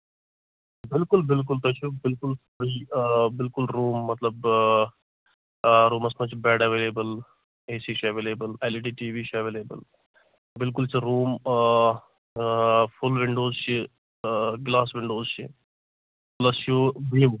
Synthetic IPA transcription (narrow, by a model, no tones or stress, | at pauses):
bɪlkʊlbɪlk̬ʊlt̪ɐt͡ʃʰubɪlkʊlsɐɾibɪlkʊlɾuːmːɐt̪lɐb | ɾuːmɐsmɐt͡ʃʰbɛːɖɐʋeːleːbəl | eːsiːʃiɐʋeːleːbəleliʈiːʈiːʋiːt͡ʃʰɐʋeːleːbə̰l | bɪlk̬ʊlt͡ʃʰiɾuːm | fʰʊlʋɪɳɖoːzt͡ʃʰi | ɡlaːsʋɪ̃ɳɖoːzt͡ʃʰi | plɐsjubim